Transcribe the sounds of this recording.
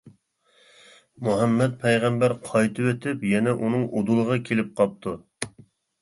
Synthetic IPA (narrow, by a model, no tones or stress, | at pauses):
muɦɛmːɛt̪̚pʰɛjʁæmbæɾqʰɑjt̪ʰɨwøt̪ʰɪpjɛnɛʔunɨŋʔod̪ulˠəʁɑkʲʰelɪp̚qʰɑp̚t̪ʰu